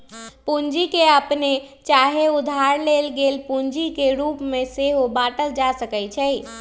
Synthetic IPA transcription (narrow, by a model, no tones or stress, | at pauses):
pund͡ʒikeəpnet͡ʃaɦeud̪ʱaɾlelɡelpuɲd͡ʒikeɾupmeseɦobaʈəld͡ʒasəkɛjt͡ʃʰɛj